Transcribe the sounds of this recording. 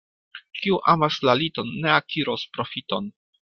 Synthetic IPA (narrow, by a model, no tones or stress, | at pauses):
kiuʔamaslalito̞nːe̞akʰiɾo̞spɾo̞fito̞n